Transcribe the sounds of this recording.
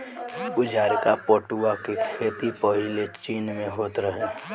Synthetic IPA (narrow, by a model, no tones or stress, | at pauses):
ʊd͡ʒaːɾkapoːʈuakekʰeːt̪ipəɦɪlet͡ʃiːnmẽɦoːt̪ɾəɦe